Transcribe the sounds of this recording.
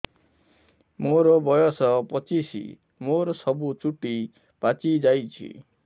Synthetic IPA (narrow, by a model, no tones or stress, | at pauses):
moɾɔbɔjɔsɔpɔt͡ʃisḭ | moɾɔsɔbut͡ʃuʈi | pat͡ʃid͡ʒajt͡ʃʰḭ